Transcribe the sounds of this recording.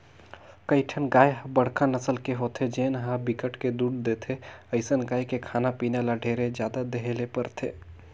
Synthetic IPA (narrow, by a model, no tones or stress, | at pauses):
kəiʈʰənɡaːjɦbəɽ̤kanəsəlkeɦot̪ʰed͡ʒeːnɦabikəʈked̪uːɽd̪et̪ʰeəɪsənɡaːjkekʰaːnapiːnelaɖʱeːɾed͡ʒjaːd̪ad̪eɦelepəɾt̪ʰeː